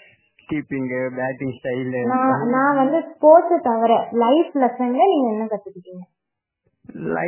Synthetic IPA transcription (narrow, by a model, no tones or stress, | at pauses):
kiːpɪŋɡɐbaːʈɪ̃ŋɡsʈɐɪlnãːnãːʋɐnd̪ɯspoːʈːɯt̪ɐʋɐɾɛ̃lɐɪflɐsɐŋɡɐniːŋɡɐɛnːɐkɐt̪ːɯkːɪʈːiːŋɡɐ | lɐ̰